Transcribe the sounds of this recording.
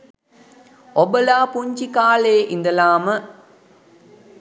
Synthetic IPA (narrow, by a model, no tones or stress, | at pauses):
obəlaːpuɲt͡ʃikaːleːʔind̪əlaːmə